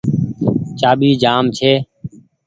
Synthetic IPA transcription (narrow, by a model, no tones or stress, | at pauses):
t͡ʃaːɓiːd͡ʒaːmt͡ʃʰeː